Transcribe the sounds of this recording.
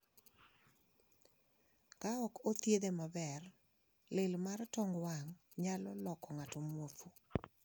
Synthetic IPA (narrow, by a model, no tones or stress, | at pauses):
kaɔkot̪jed̪emabɛr | lɪlmartɔŋɡwaŋ | ɲalɔlɔkɔŋatɔmwot̪u